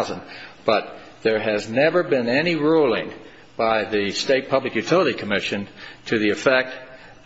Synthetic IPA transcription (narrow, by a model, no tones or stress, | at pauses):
zə̃nb̥ʌt̪̚ | ðə˞ɨznɛvə˞bɪ̃nɛniɹulˠɪ̃ŋ | b̥aɪðɨsteɪt̚pʰʌblɨkjʉtʰɪlˠəɾikʰəmɪʃɨ̃ntʰɨðiɨfɛk̚t̚